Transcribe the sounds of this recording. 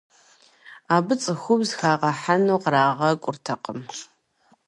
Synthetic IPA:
aːbɨt͡sʼɨxʷʊbzxaːʁɐħanuːqraːʁɐkʷʼʊrtʰɐqəm

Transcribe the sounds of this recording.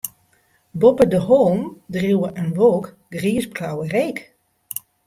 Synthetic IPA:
bɔpədəhoːmdrjuwəʔənʋoːk | ɡriːəsbrawəreːk

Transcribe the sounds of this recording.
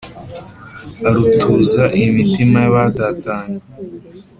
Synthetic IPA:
aɾutʰuːzaʔimitimajaβatataːna

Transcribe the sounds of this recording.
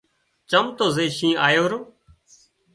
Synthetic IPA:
t͡ʃəmt̪oːzeːʃĩːaːjoːɾoː

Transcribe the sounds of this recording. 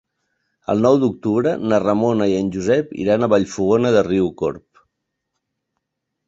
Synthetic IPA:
ə̰lˠnɔwd̪uk̚t̪uβɾənərəmonəiənʲʒuzɛpḭɾanəβaʎfuɣonəðəriuko̰ɾp

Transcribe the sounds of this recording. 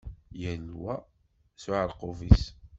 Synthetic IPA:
jənwæ | sʊʕəɾˤqovis

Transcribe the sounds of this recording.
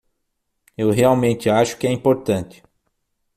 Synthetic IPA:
ewɦeawmẽnt̪ɪaʃʊ̥kɪɛĩpoɾt̪ɐ̃nt̪ɪ̥

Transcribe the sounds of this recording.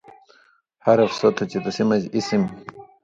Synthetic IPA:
hɐɾɐfsot̪ʰot͡ɕid̪usimɐd͡ʑisim

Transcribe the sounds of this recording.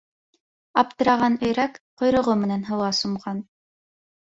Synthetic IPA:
ɑp̚t̪ɤ̆ɾɑʁɑnɵ̆jɾækqŏjɾŏʁomɘ̆nænɦɤ̆wˠɑsŏmʁɑn

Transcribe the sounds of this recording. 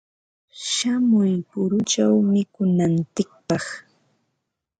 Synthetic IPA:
ʃamʊjpʊɾʊt͡ʃawmɪkʊnant͡sɪk̚pɑχ

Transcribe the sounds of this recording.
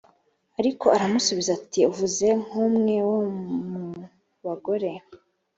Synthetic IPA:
aɾiko̞aɾamusuβizatiuvuze̞ŋ̥huːmŋe̞womu | βaɡo̞ɾe̞

